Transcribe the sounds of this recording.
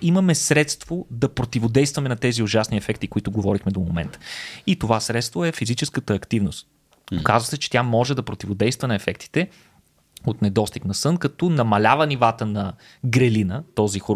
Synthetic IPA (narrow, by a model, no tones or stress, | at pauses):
imɐmɛsɾɛt̪st̪vod̪ɐpɾot̪ivod̪ɛjst̪vɐmɛnɐt̪ɛziʊʒasniɛfɛkt̪ikoit̪ʊɡovɔɾixmɛd̪omomɛ̰nt̪ə̥it̪ovasɾɛt̪st̪voɛfizit͡ʃɛskət̪əːkt̪ivnʊst̪ | kazvəsɛt͡ʃɛ̥t̪ʲjamɔʒɛd̪ɐpɾot̪ivod̪ɛjst̪vənɐɛfɛkt̪i̥t̪ɛ | ot̪nɛd̪ɔst̪iknɐsɤnkɐt̪ɔnɐmɐlʲavənivat̪ənɐ | ɡɾɛlinət̪ɔzixo